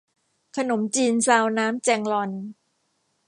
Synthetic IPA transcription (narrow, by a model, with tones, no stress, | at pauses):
kʰa˧no˩˦mt͡ɕiː˧nsaː˧wnaː˦˥mt͡ɕɛː˧ŋlɔ˧n